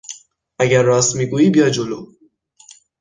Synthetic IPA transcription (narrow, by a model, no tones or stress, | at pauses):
ʔæɟæɾːɒːst̪miːɡuːiːbijɒːd̪̚d͡ʒolo